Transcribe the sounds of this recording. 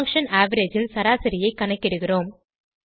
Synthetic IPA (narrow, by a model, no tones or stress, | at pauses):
ŋkʂɐnaːʋɐɾed͡ʒɪlsɐɾaːsɪɾɪjɐɪkːɐɳɐɪkːɪɽɯɣɪroːm